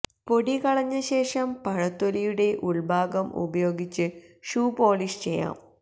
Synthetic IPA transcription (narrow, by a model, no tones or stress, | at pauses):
po̞ɽikɐɭɐɲːɐɕe̞ːʂɐmpɐɻɐt̪ːolijuɽe̞ʔuɭbʱaːɡɐmʔṵbɐjo̞ːɡit͡ɕːɨʂuːpoːliːst͡ɕejːa̰ːm